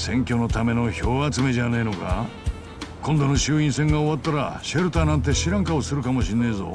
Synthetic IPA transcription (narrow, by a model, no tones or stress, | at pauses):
sẽ̞ŋkʲo̞no̞t̪ame̞no̞ço̞ːβat͡sɨme̞d͡ʑaneino̞ka̰ | kʰõnd̪o̞no̞ɕɨːĩɰ̃sẽ̞ŋɡaoβat̪ːaɾa̰ɕaɾɯ̟t̪aːnãnt̪̬e̞ɕiɾãŋkaosɨɾɯ̟kamo̞ɕĩnːeizo̞̰